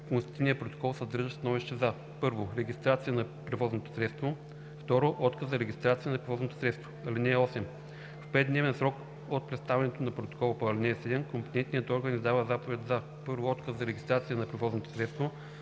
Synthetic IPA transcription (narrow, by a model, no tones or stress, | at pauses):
konst̪i̥t̪ivnijəpɾot̪o̥kɔlˠsɐd̪ɤɾʒəst̪ɐnɔviʃt̪ɛzɐ | pɤɾvoɾɛɡʲist̪ɾat̪sijənɐ | pɾɛvɔznot̪o̥sɾɛt̪st̪vo | ft̪ɔɾoʔɔt̪kəszɐɾɛɡʲist̪ɾat̪sijənɐpɾɛvɔznot̪o̥sɾɛt̪st̪vo̥ɐlinɛːɔsɛm | fpɛt̪d̪nɛvɛnsɾɔk | ot̪̚pɾɛt̪st̪avɛnɛt̪onɐpɾot̪o̥kɔlˠpːlinɛːsɛd̪ɛmkompo̥t̪ɛnt̪nijət̪ɔɾɡənizd̪avəzapovɛt̪zɐ | pɤɾvoɔt̪kəsɐɾɛɡist̪ɾat̪sijənɐpɾɛvɔznot̪o̥sɾɛt̪st̪vo